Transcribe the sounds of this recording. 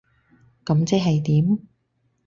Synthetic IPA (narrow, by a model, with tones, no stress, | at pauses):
kɐ˨˧˥mt͡sɛ˥ɦɐ˨jt̪iː˨˥m